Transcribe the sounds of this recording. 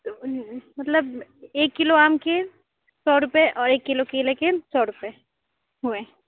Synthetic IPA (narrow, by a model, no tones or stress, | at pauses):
mɐt̪ləbeːkːɪloaːmke | sɔːɾʊpeʔɔːɾeːkːɪlokeːlekesɔːɾʊpe | ɦʊẽː